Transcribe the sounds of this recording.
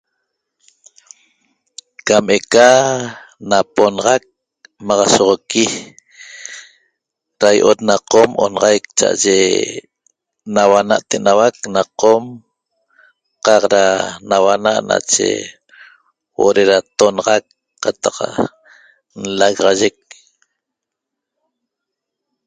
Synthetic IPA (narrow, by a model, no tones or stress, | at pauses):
kameka | naponɑʁɑk̚ | mɑʁɑsoʁoki | ɾajʔot̪̚naqomʔo̰nɑʁɑjk̚t͡ʃa̰ʔa̰ʒe | nawanaʔt̪eʔnawak̚naqom | qɑqɾanawanaʔna̰t͡ʃḛ | wʔo̰ɾeɾat̪onɑʁɑk | qːat̪aq | n̩laɣʁɑʒek̚